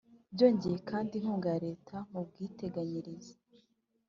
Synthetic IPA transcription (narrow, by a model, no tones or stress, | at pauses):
bɟo̞ːɲɟejekʰaːndinhuːŋɡaɾe̞ːtʰamub̚ɡiːte̞ɡaɲiɾize